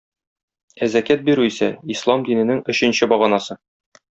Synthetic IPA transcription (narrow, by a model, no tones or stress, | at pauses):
æzækæt̪̚biɾʉisæislˠɑmd̪inɘ̆nɘŋɵ̆ɕɘ̆nɕɘbɒʁɑnɑsɤ